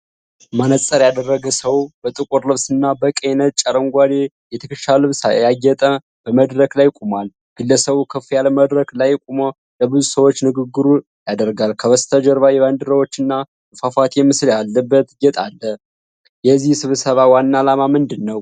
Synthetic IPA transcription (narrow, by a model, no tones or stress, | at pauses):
manəsʼəɾjad̪ərːəɡəsəwbət̪ʼɨkʼuɾlɨβsɨnːabəkʼenət͡ʃʼəɾəŋɡʷad̪e | jɛt̪ʰəkʰɨʃalɨβsa̰jajːɛt̪ʼə | b̥əməd̪ɾəklajkʼumal | ɡ̥ɨlːəsəβukʰəfijaləməd̪ɾəklajkʼumə | ləbɨzusəwo̞t͡ʃːnɨɡɨɡːɨɾu | jad̪əɾɡalkʰəβəst̪ʰəd͡ʒəɾβajɛβand̪ɨɾəwo̞t͡ʃːɨnːa | fafat̪jɛmːɨsljalːəbːət̪ɡɛt̪ʼalːə | jɛzihsɨβsəβawanːaːlamamɨnd̪ɨnːəw